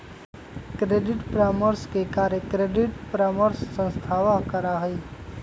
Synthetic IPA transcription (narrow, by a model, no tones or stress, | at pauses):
kɾeːɖɪʈpɾaːməɾskekaːɾẽkɾeːɖɪʈpɾaːməɾsːə̃nst̪ʰaːʋakəɾaɦi